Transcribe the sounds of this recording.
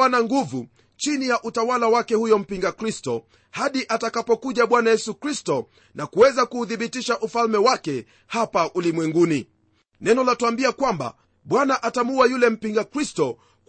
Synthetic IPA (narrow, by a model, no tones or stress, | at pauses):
anaŋɡuvu | t͡ʃinijaʔutawalawakɛhujɔm̩piŋɡakɾistɔ | haɗiʔatakapɔkuʄaɓwanajɛsukɾistɔ | nakuwɛzakuːθiɓitiʃaʔufalmɛwakɛ | hapaʔulimwɛŋɡuni | nɛnɔlatuambiakwamba̰ | ɓwanaʔatamuajulɛm̩piŋɡakɾistɔ | k